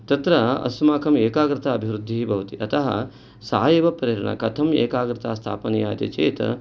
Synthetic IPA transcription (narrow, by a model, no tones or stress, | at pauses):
t̪ɐt̪ɾɐɐ̰smaːkʰɐmeːkaːɡɾɪt̪aɐbʱiʋɾud̪ʱːibɐʋɐt̪iʔɐt̪ɐɦɐ̰ | sa̰ːjɐʋɐpɾeːɾɐɳɐ̰kɐt̪ʰɐmḛːkaːɡɾɪt̪aːst̪ʰa̰ːpɐnijaːt̪ɐt͡ʃḛːt̪ɐ̰